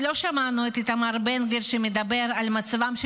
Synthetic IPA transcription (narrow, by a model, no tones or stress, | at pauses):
lo̞ʃamanuet̪it̪amaʁbenɡeʁʃemed̪abe̞ʁalmat͡savamʃ